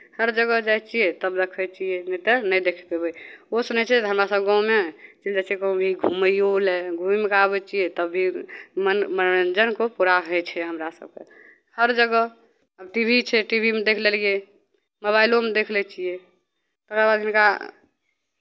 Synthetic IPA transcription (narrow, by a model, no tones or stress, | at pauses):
həɾd͡ʒəɡəd͡ʒajt͡ʃʰiet̪əbɾəkʰɛt͡ʃʰienet̪ənəjd̪ekʰɛ̥t̪ebəjosunɛt͡ʃʰɛt̪ɦəmɾasəbɡãumet͡ʃid͡ʒat͡ʃʰiekəbʱiɡʱuməjoleɡʱumimekabɛt͡ʃijet̪əbʱːimənməd͡ʒənkopuɾaɦəjt͡ʃʰɛɦəmɾasə̰b̚kḛ | həɾd͡ʒəɡə | əbʈibʱit͡ʃʰɛʈibʱimed̪ekʰlelie | moβailomed̪ekʰlɛt͡ʃʰije | t̪əkɾabad̪inka